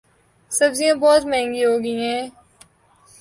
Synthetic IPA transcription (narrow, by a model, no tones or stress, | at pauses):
sɐbzijãbɔːt̪mɛ̃ɦɛ̃ŋɡiɦoːɡəiɦɛ̃ː